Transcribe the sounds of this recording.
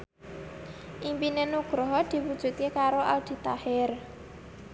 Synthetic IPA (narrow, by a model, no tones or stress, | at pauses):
ʔimpinenuɡ̥ɾɔɦɔd̪̥i̤wud̥ʒ̥ṳt̪̚kekaɾoʔa̰ld̪̥i̤t̪ahɪr